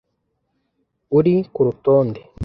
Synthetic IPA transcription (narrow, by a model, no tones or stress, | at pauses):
uɾikuɾutoːnde